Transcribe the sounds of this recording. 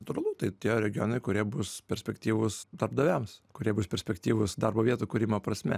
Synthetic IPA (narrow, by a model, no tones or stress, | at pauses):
ɐt̪ʊɾɐlˠʊt̪ɐɪt̪ʲiɛɾʲɛɡʲɪjoːnɐɪkʊɾʲiɛbʊspʲɛɾʲsʲpʲɛkt̪ʲiːʋʊsd̪ɐɾb̚d̪oːʋʲæmskʊɾʲiɛbʊspʲɛɾʲsʲpʲɛkt̪ʲiːʋʊsd̪ɑrboːʋʲiɛt̪uːkʊɾʲɪmoːpɾɐsʲmʲɛ̰